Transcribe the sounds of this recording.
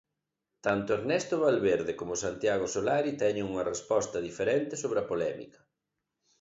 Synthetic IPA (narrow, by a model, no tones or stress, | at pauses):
t̪ant̪oeɾnɛst̪oβalβeɾðekomʊsant̪jaɣ̞osolaɾit̪ɛɲeŋuŋɐrespɔst̪ɐðifeɾɛnt̪esoβɾeɐpolɛmḭkɐ̥